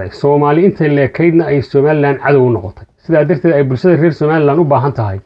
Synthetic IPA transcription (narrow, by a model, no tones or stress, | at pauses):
ɛjsɔːmaːlɪɪnt̪ʰɛlɛːkʰɛjd̪nɐɛjsɔːmaːlɪlaːnʕɑðɐwʊnɔqɔt̪ʰɛjsɪðaːd̪ɐrt̪ʰɛːd̪ɛjbʊlʃɐðɐrɛːrsɔːmaːlɪlaːnʊbaːɦɐnt̪ʰɐɦɛj